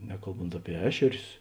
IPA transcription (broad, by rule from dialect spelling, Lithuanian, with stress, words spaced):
ˈnʲæːkɐlˠˌboːnt ˈɑːpʲiɛ ˈæːʃʲɛrʲʊs